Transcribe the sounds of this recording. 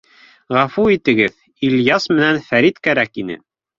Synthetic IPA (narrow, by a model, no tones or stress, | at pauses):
ʁɑfuit̪ɘ̆ɡɘð | ilʲjɑsmɘ̆nænfæɾit̪kæɾækinɘ̰